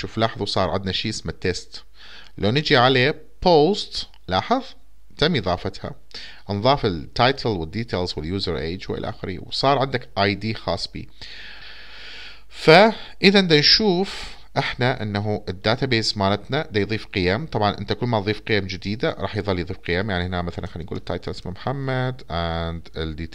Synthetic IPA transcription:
ʃuːflɑːħɑðˤwsˤɑːɾˤʕɪnd̪naʃiːʔɪsmat̪ːest̪ | lʔanɪd͡ʒiʕaleː | poːst̪ | lɑːħɨðˤ | t̪amːiðˤɑːfɑt̪ha̰ | nðˤɑːfɪlt̪ːɑjt̪ʰlwɪd̪ːiːt̪ʰeːlzwɪljuːzɑɾˤʔḛːd͡ʒwʔɪ̰laʔa̰ːxɪɾḭwsˤɑːɾˤʕɪnd̪akʔajd̪iːxɑ̰ːsˤːbḭː | faʔɪðaʔnd̪anʃuːf | ʔɪħnaʔɪnːaɦuʔɪd̪ːaːt̪abeːzmaːnat̪nad̪ajðˤiːfqɪjamt̪ˤɑbʕɑnʔɪnt̪akʊlmat̪ðˤiːfqɪjamd͡ʒɪd̪iːd̪aɾˤɑ̰ːħjðˤɑlːijðˤiːfqɪjaːmjaʕnihnamaθalanxanːnɡṵːlɪt̪ːa̰jt̪lʔɪ̥smamħamːad̪ʔand̪ɪ̰ld̪iːt̪

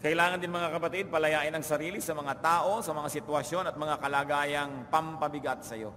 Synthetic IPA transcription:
kɐʔɪlaːŋɐnd̪ɪnmɐŋakɐpɐt̪id̪̚pɐlɐjaːʔɪnɐŋsɐɾiːlisɐmɐŋat̪aːʔo̞sɐmɐŋasɪt̪wɐsjo̞nɐt̪̚mɐŋakɐlaːɡaːjɐŋpɐmpɐbɪɡat̪̚sɐjo̞̰

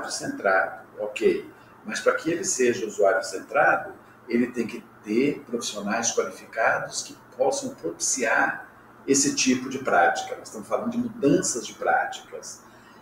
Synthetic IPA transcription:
ɾʊsẽnt̪ɾad̪ʊokej | mɐspɾɐkɪelɪseʒɐuzuaɾjʊsẽnt̪ɾad̪ʊ | elɪt̪ẽj̃kɪt̪eɾpɾofi̥sionajskwalifikad̪ʊskɪpʰɔsɐ̃w̃pɾopi̥siaɾ | esɪt͡ʃipʊd͡ʒɪpɾat͡ʃi̥kɐnɐzɪ̥st̪ɐ̃mʊsfalɐ̃d̪ʊd͡ʒɪmud̪ɐ̃sɐzd͡ʒɪpɾa̰t͡ʃi̥kɐs

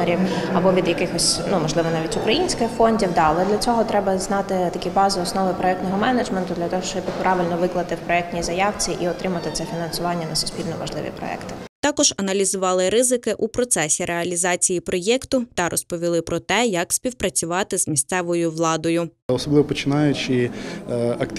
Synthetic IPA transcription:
eɾʲiwɐbɔʋʲid̪jɐkɪxɔsʲnumɔʒlˠɪʋɔnɑʋʲitʲʊkɾɐjinʲsʲkɪxfɔnʲdʲiwd̪ɑɐlˠɛd̪lʲɐt͡sʲɔɦɔt̪ɾɛbɐznɑt̪ɪt̪ɐkʲibɑzɪɔsnɔʋɪpɾɔɛk̚t̪nɔɦɔmɛned͡ʒment̪ʊd̪lʲɐt̪ɔɦɔʃt͡ʃɔbʲɪpɾʔɑʋɪlʲnɔʋɪklˠɐt̪ɪwpɾɔɛk̚tʲnʲizɐjɑwt͡sʲiʔiɔt̪ɾɪmɐt̪ɪt̪sɛfʲinɐnsʊʋɑnʲːɐnɐsʲʊ̥spʲilʲnɔmɔʒlˠɪ̰ʋʲḭpɾɔ̰ɛ̰kt̪ɪt̪ɑkɔʒɐnɐlʲizʊʋɑlˠɪɾɪzɪkɪʔupɾɔt̪sɛsʲiɾʔeɐlʲizɑt͡sʲijipɾʔɔjɛkt̪ʊt̪ɐɾʔɔspɔʋʲilˠɪpɾɔt̪ɛjɐksʲpʲiwpɾɐt͡sʲʊʋɑt̪ɪzmʲist̪sɛʋɔjʊʋlˠɑd̪ɔjʊɔsɔblˠɪʋɔpɔt͡ʃɪnɑjʊt͡ʃɪ | ɐk̪

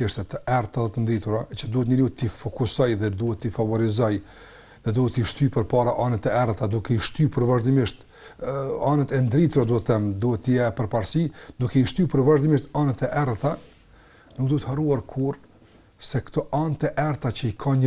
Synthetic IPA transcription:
ɛʃt̪ɛt̪əɛɾt̪aðɛt̪ənd̪ɾit̪uɾat͡ʃəd̪uhɛt̪ɲəlut̪ifɔkusɔjðɛd̪uɦɛt̪ːifavɔɾizɔj | ðɛd̪uhɛt̪ːiʃt̪ypəɾpaɾaʔanɛt̪ɛɛɾt̪ad̪ukɛiʃt̪ypəɾvaʒd̪imiʃt̪ | anɛt̪ɛnd̪ɾit̪uɾad̪uhɛt̪θɛmd̪uhɛt̪ːəjɛpəɾpaɾsid̪ukɛiʃt̪ypəɾvaʒd̪imiʃt̪anɛt̪ɛʔɛɾt̪a | nuk̚d̪uhɛt̪haruaɾkʰuɾ | sɛkt̪ɔʔant̪ɛʔɛɾt̪at͡ɕəikʰaɲ

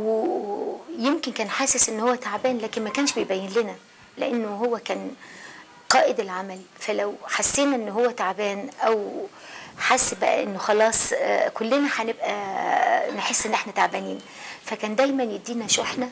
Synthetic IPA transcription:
we | jemkenkæːnħaːsesʔenːhowːæt̪aʕbæːnlæːkenmækæːnʃbejbæjːenlenæ | leʔenːoɦowːækæːn | qɑːʔed̪elʕamælfælæwħasːeːnæʔenːɦowːæt̪aʕbæːnʔæw | ħasːbæʔæ̰ʔenːoxɑlɑːsˤkolːenæħanebʔæ | neħesːʔenːʔeħnæt̪aʕbæːniːn | fækæːnd̪æjmænjed̪ːiːnæʃoħnæ

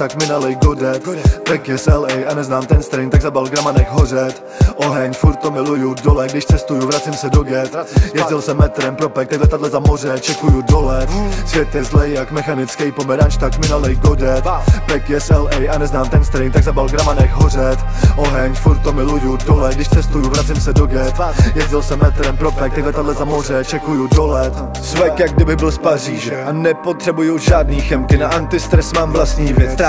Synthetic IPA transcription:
t̪akmɪnalɛjɡodɛt̪pɛkjɛsɛlɛjʔanɛznaːmt̪ɛnst̪ɾɛjnt̪aɡzabalɡɾamanɛxɦorɛt̪ | ʔoɦɛɲfuɾt̪̚t̪ːomɪlujudolɛɡdɪʃt͡sɛst̪ujuvɾat͡sɪmsɛdoɡɛt̪jɛzdɪlsɛmɛt̪ɾɛmpɾopɛk̚t̪aɡlɛt̪adlɛzamorɛt͡ʃɛkujudolɛt̪svʲjɛt̪jɛzlɛjːakmɛxanɪt͡skɛjpomɛɾanʃt̪akmɪnalɛjɡodɛt̪pɛkjɛsɛlɛjʔanɛznaːmt̪ɛnst̪ɾɪnt̪aɡzabalɡɾamanɛxɦor̝ɛt̪ | ʔo̞ɦɛɲfuɾt̪̚t̪omɪlujudolɛt̪ɡdɪʃt͡sɛst̪ujʊvɾat͡sɪmsɛdoɡɛt̪jɛzdɪlsɛmmɛt̪ɾɛmpɾopɛk̚t̪aɡlɛt̪adlɛzamor̝ɛt͡ʃɛkujudolɛt̪ | svɛkjaɡ̚dɪbɪɣbɪlspariːʒɛɛanɛpo̞t̪r̥ɛbujʊʒaːdniːxɛmkɪnaʔant̪ɪst̪ɾɛsmaːmvlast̪ɲiːvjɛt͡st̪

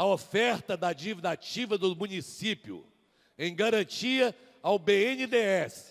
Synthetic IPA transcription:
ɐofɛɾt̪ɐd̪ɐd͡ʒivid̪at͡ʃivɐd̪ʊmũnisipjʊ̰ | ẽj̃ɡaɾɐ̃t͡ʃiɐ | awbeẽnɪd̪eɛsɪ̥

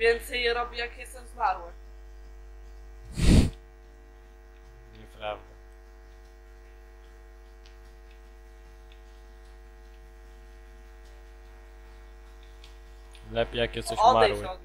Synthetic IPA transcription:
vʲjɛnt̪sɛjɛɾɔbʲijakʲɛsɛzmaɾwɛ | ɲɛpɾavd̪a | lɛpʲejakʲɛt̪sɔɕɔmajɾwɛɔ

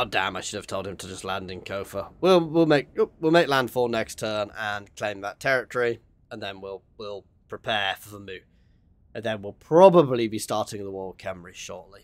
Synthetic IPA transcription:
oʊdæ̰̃maɪʃʊɾɨv̥tʰoʊlˠd̚ɨ̃mtʰəd͡ʒʌstlæ̃ndɨ̃nkʰoʊfəwilˠwilˠmeɪk̚wilˠmeɪklæ̃nd̥fɔnɛkstʰɜ̃˞nə̃nkʰl̥ẽɪ̃mðətʰɛɹɨtəɹi | ə̃nðə̃nwilˠwilˠ | pʰɹ̥ɨpʰɛfəðəmʉ | ə̃nðə̃nwilˠpʰɹ̥ɑbəblibistɑɹɾɪ̃ŋðəwɔːɹkʰɛ̃mɹiʃɔɹʔˡli

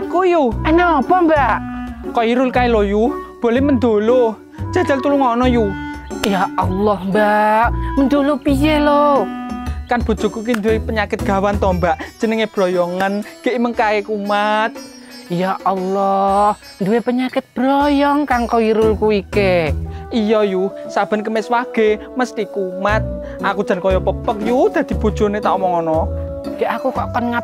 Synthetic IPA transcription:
kujuɛnɛɔpɔmbaʔkɔiɾʊlkailojub̥olɛhmənd̪olo | d̥d͡ʒ̥a̤̥d͡ʒ̥a̤lt̪uluŋɔnɔjujaɑlːɔhmbaʔmənd̪olopijelo | kanb̥o̤̥d͡ʒ̥ɔ̤kuk̬ind̪uwepəɲakɪt̪̚ɡ̥a̤want̪ɔmbaʔd͡ʒ̥ənəŋeb̥ɾɔjɔŋanɡ̥eʔiməŋkaekumat̪̚ | jaʔɑlːɔh | nd̪uwepəɲakɪt̪̚b̥ɾɔjɔŋkaŋkoiɾulkuikeijɔjuhsab̥ə̤nk̬əmɪswaɡ̥e̤məst̪ikumat̪̚ | akud̥ʒ̥a̤nkɔjɔpəpək̚jud̪̥ä̤d̪̥i̤b̥o̤̥ʒ̥o̤net̪aomɔŋɔnɔɡ̥eʔakukɔʔkɔnŋa

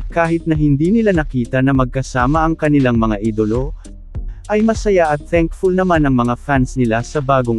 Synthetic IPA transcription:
kaːhɪt̪̚nɐɦɪnd̪iːnɪlanɐkiːt̪ɐnɐmɐɡ̚kɐsaːmɐʔɐŋkɐnɪlaŋmɐŋaʔiːd̪olo̞ | ʔɐjmɐsɐjaʔɐt̪̚θɛŋkfʊlnɐmanɐŋmɐŋafansnɪlasɐbaːɡoŋ

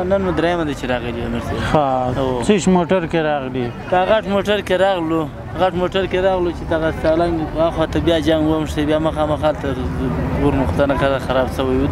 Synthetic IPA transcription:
nanmad̪ɾajamad̪at͡ʃeɾɑɣəlianuɾsebxaot͡səʃmoʈaɾkeɾɑɣli | k̪aɣaʈmoʈaɾkeɾɑɣlo | ɣaʈmoʈaɾkeɾɑɣlot͡ʃed̪aɣasalaŋɡɣaxwat̪abjɑd͡ʒaŋɡwamʂebjɑmaxɑmaxaːlt̪aɣuɾmʊqt̪anakazaxaɾɑbsɐwajwu

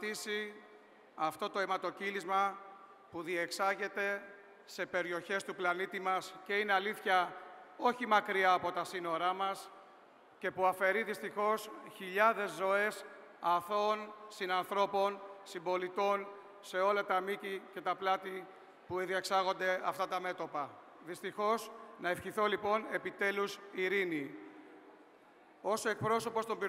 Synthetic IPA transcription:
t̪isi | ɐft̪o̞t̪oemɐt̪o̞cilizmɐ | puðie̞ksɐʝe̞t̪e̞ | se̞pe̞ɾio̞çe̞st̪uplɐnit̪imɐsce̞ine̞ɐliθçɐo̞çimɐkɾiɐːpo̞t̪ɐsino̞ɾɐmɐs | ce̞puɐfe̞ɾiðist̪ixo̞sçiʎɐðe̞zːo̞e̞s | ɐθo̞nsinɐnθɾo̞po̞nsimbo̞lit̪o̞n | se̞o̞lɐt̪ɐmicice̞t̪ɐplɐt̪i | pueðiɐksɐɣo̞nd̪e̞ɐft̪ɐt̪ɐme̞t̪o̞pɐ | ðist̪ixo̞snɐefçiθo̞lipo̞ne̞pit̪e̞lusiɾini | o̞se̞k̚pɾo̞so̞po̞st̪o̞mbiɾ

